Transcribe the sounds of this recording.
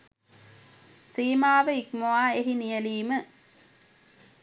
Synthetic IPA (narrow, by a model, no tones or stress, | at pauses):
siːmaːʋəikmoaːeɦinijəliːmə